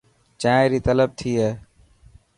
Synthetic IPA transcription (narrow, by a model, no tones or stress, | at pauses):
t͡ʃãeɾiːt̪ələb̚t̪ʰiːɦeː